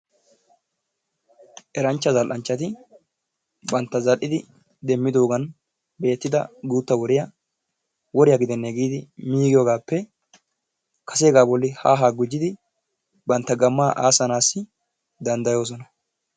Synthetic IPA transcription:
ʔɛɾɐnt͡ʃːɐzɐlʔɐnt͡ʃːɐt̪ɪ | bɐnt̪ːɐzɐlʔɪd̪ɪ | d̪ɛmːɪd̪o̞ːɡɐn | be̞ːt̪ːɪd̪ɐ̰ɡuːt̪ːɐwɔɾɪjɐ | wɔɾɪjaɡɪd̪ɛnːeɡiːd̪ɪmiːɡɪjoːɡaːpːɛ | kɐseːɡaːbɔlːɪhaːɦaːɡʊd͡ʒːɪd̪ɪ | bɐnt̪ːɐɡɐmːaːʔaːsɐnaːsːɪ | d̪ɐnd̪ɐjo̞ːs̬ɔnɐ

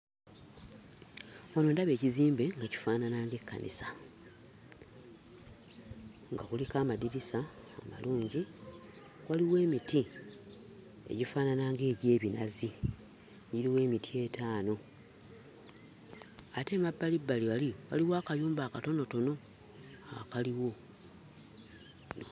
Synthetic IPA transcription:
ono̞ːndaβe̞ːciziːmbe̞ŋɡaci̥faːnanaːŋɡe̞kːa̰nʔḭsa | ŋɡa̰xulikaːmadiɾisaː | ma̰luːɲɟi | waliwe̞ːmiti | e̞̰ɟifaːnanaːŋɡe̞ːɟe̞ːβinazi | jiɾiwe̞ːmitʰie̞taːno̞ | ate̞mabːalibːaliwaliwaliwaːkajuːmbaːkato̞no̞to̞no̞ | akaliwo̞

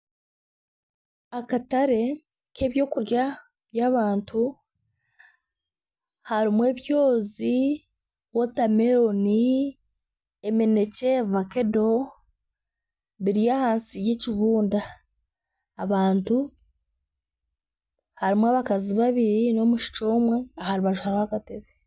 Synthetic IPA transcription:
akataɾe̞ | ke̞ːβjo̞ːkuɾja | βjaːβaːntu | haɾimwe̞ːβjo̞ːzi | wotame̞ɾo̞ni | eme̞ne̞ce̞vake̞do̞ | βiɾijahaːnsijeciβuːnda | βaːntu | haɾimwaːβakaziβaβiɾino̞muʃi̥t͡ʃo̞ːmwe̞ahaɾiβaʒuhaɾihakateβe

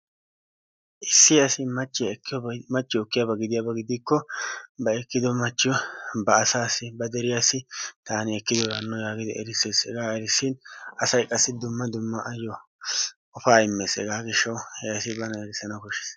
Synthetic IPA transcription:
ʔɪsːɪɐsɪmɐt͡ʃːɪjkːjɔmɐt͡ʃːɪɔkːɪjabɐɡɪd̪ɪjabɐɡɪd̪ikːɔbɐɛkːɪd̪ɔmɐt͡ʃːɪjɔbɐːsaːsɪbɐd̪ɛɾɪjasːɪt̪aːnɪɛkːɪd̪ɔdɐnːɔjaːɡɪd̪ɪʔɛ̰ɾɪse̞ːsɛ̰ɡaːɛɾɪsːɪnɐsɐjkʼɐsːɪd̪ʊmːɐd̪ʊmːɐʔɐjːɔ | ɔfaːɪmːeːsɛ̰ɡaːɡɪʃːɐwhɛjɐsɪbɐnɐɛɾɪsːɐnɐkɔʃɛ̥s

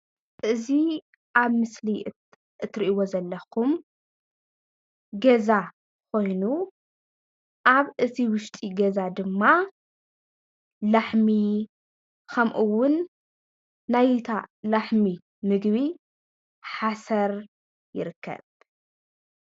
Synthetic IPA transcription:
ʔɨzi | ʔaβmɨsli | ʔɨt̪ʰɾiʔiwo̞zɐlːɐxum | ɡɐza | kʰo̞jnu | ʔaβʔɨt̪ʰiwʊʃt̪ʼiɡɐzad̪ɨmːa | laħmi | kʰɐmʔuwʊn | ajt̪ʰalaħmi | mɨɡβi | ħasɐɾ | jɪɾɨkʰːɐ̰β

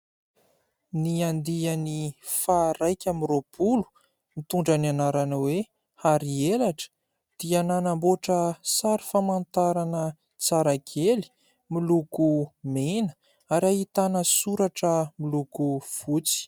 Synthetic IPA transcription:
niand̪ianifaɾajkʲamiropʰulu̥ | mit̪uɳɖ͡ʐananaɾanawe | haɾielaʈ͡ʂə̥ | d̪̥iananamboʈ͡ʂəsaɾifamant̪aɾanə | t͡saɾakʰeli̥ | milukumenə̥ | aɾiahit̪anəsuɾaʈ͡ʂəmilukuv̥ut͡si̥

